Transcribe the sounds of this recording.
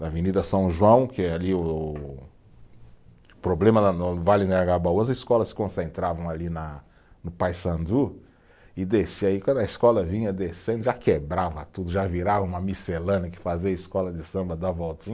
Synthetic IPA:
ɐvenid̪ɐsɐ̃w̃ʒuɐ̃w̃kɪɛaliʊ | pɾoblẽmɐnɐnvalɪnɐaɡabawɐziskɔlɐsɪ̥kõsẽnt̪ɾavɐ̃w̃alinɐ | nʊpajsɐ̃nd̪u | ɪd̪esiaikwɐ̃nd̪ɐiskɔlɐvĩɲɐd̪esẽnd̪ʊʒakebɾavɐt̪ud̪ʊʒaviɾavɐũmɐmiselɐ̃nɐkɪ̥faziɐiskɔlɐd͡ʒ̪ɪsɐ̃mbɐd̪avɔwt̪ĩɲɐ

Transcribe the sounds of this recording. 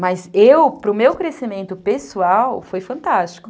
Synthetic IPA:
mɐzewpɾʊmewkɾesimẽnt̪ʊpesuawfojfɐ̃nt̪ast͡ʃi̥kʊ

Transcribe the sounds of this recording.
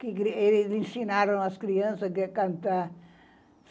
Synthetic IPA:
kɪkɾelɪzẽsinaɾɐ̃w̃ɐskɾiɐ̃sɐkkɐ̃nt̪a

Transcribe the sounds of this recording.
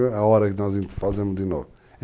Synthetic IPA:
ɐɔɾɐkɨnɔzĩnt̪ɾfazẽmuʒd̪ɨno̰vu

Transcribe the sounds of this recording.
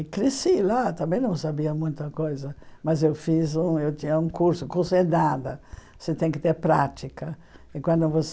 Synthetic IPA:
kɾisilat̪ãmbɛ̃j̃nɐ̃w̃sabiɐmũj̃t̪ɐkojzɐmazewfizũewt̪iɲɐũŋkuɾsʊkusɛnad̪ɐ | sɪt̪ɛ̃ŋkɪt̪eɾpɾat̪ikɐ | ɪkwãnd̪ʊvos

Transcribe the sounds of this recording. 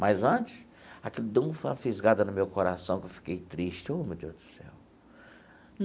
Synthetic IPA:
majzɐ̃t͡ʃɪ̥s | akeld̪ũfafizɡad̪ɐnʊmewkoɾasɐ̃w̃kewfi̥kejt̪ɾiʃt͡ʃɪomɪd̪ot̪ɾʊ̥sɛ̰w | n

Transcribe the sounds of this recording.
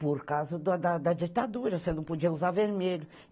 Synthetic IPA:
poɾkazʊd̪ɐd̪ɐd̪ɐd͡ʒit̪ad̪uɾɐsenɐ̃w̃pod͡ʒiɐuzaveɾmeʎʊ

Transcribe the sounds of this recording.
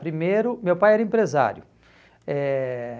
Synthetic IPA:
pɾimejɾʊmewpajɛɾɐẽmpɾeza̰ɾjʊ | ɛ

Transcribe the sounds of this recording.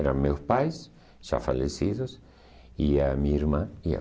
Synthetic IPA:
eɾaŋmewspajs | ʒ̥a̰faʎesiðos | iamiiɾmãia̰

